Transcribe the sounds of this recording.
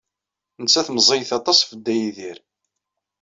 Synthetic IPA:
nət͡sːæθməzˤejθɑt̪ˤɑsˤfəd̪ːæjiðiɾ

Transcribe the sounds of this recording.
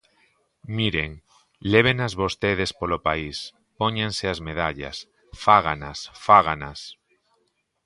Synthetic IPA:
miɾeŋ | leβ̞enazβost̪eð̞espolopais | poɲẽnseazmeðaʎa̰s | faɣ̞anasfaɣ̞anas

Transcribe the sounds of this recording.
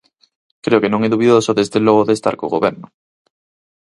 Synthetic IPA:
kɾeokenõŋɛðuβiðosoðezðelɔɣ̞oðest̪a̰ɾkoɣoβɛɾnʊ

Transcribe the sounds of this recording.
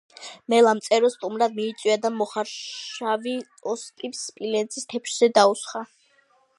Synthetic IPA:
mɛlˠamt̪sʼɛɾɔst̪ʼumɾad̪miːt̪sʼwiad̪amɔχaɾaviɔst̪ʼipspʼilɛnt̪sʰist̪ʰɛpʰʃz̥ɛd̪ausχa

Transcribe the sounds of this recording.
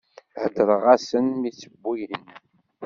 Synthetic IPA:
ʕəd̪əɾˤəʁasənmit͡sːəbːijən

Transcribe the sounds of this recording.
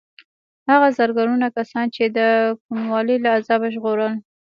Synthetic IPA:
haɣazaɾɡɑɾunakasɑnt͡ʃed̪əkunwɑləlaːzɑbaʒɣoɾəl

